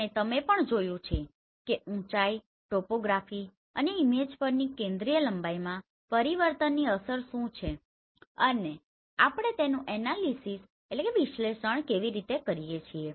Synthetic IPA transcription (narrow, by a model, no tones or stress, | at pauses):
et̪əmepəɳd͡ʒojũt͡ʃʰe | keʔũt͡ʃai | ʈopoɡɾafi | əneimed͡ʒpəɾnikẽnd̪ɾijələmbajmã | pəɾiʋəɾt̪ənːiəsəɾʃũt͡ʃʰe | əne | apɳ̃et̪enũʔɛnalisis | eʈlekeʋiʃleʃəɳkeʋiɾit̪ekəɾijet͡ʃʰie